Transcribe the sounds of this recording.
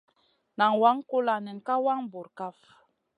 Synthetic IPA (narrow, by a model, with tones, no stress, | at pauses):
na˨ŋwa˦ŋko˦la˨nɛ˨ŋka˦wa˦ŋbo˨ɾka˦f